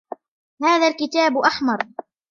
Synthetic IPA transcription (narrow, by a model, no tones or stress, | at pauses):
haːðalkɪt̪aːbʔaħmɑɾˤ